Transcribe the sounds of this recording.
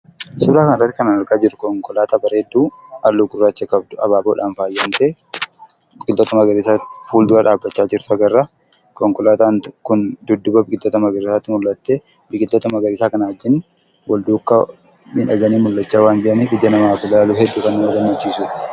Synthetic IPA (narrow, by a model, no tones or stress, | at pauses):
sʊbɾaːkɐnɪrːɐt̪ːɪkɐnɐnɐɾkaːd͡ʒɪɾʊkɔŋkɔlaːt̪abɐɾed̪ːuːɐlːuɡʊrːaːt͡ʃːɐkɐbd̪ʊɐbaːboːᶑaːnfaːjːɐnt̪eː | bɪkɪlt̪ɔt̪ɐmɐɡɐɾɪsaːfuːld̪ʊɾɐᶑaːbːɐt͡ʃːaːd͡ʒɪɾt̪ʊɐɡɐrːɐ | kɔŋkɔlaːt̪aːnkʊnd̪ʊd̪ːʊbɐbɪkʼɪlt̪ɔt̪ɐmɐɡɐɾɪsaːt̪ːɪmʊlːɐt̪ːe | bɪkʼɪlt̪ɔt̪ɐmɐɡɐɾɪːsaːkɐnɐɐd͡ʒːɪn | wɐld̪uːkːɐ | mɪnɐɡɐniːmʊlːɐt͡ʃːaːwaːnd͡ʒɪɾɐnɪbɪd̪ːɐnɐmaːkʊlaːlʊhɛd̪ːukɐnːɪmɐɡɐmːɐt͡ʃːiːsʊᶑ